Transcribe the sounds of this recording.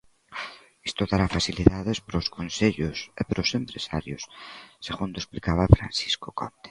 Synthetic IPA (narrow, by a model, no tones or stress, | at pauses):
ist̪oðaɾafaθiliðaðespɾoskonseʎʊsepɾosempɾesaɾjʊsːeɣund̪oesplikaβafɾa̰nsi̥skokɔ̰nt̪e̥